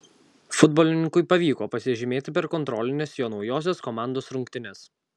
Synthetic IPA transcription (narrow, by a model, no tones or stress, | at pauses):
fʊd̪bɔːlʲɪnʲɪŋkʊɪpɐʋʲiːkoːpɐsʲɪʒʲɪmʲeːt̪ʲɪpʲɛɾkɔnt̪ɾɔːlʲɪnʲeːsjoːnɒʊjoːs̬ʲɛskɔmɑˑnd̪oːsɾʊŋʲkt̪ʲɪnʲɛs